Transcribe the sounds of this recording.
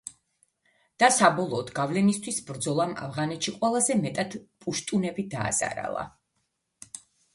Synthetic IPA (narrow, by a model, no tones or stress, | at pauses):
d̪̥asabɔlˠɔːd̪ɡavlɛnist̪ʰwisbɾd̪zɔlˠama̰vʁanɛt̪ʃiqʼwɛlˠazɛmɛt̪ʼad̪̥pʼuʃt̪ʼunɛbid̪a̰ːz̥a̰ɾa̰lˠa̰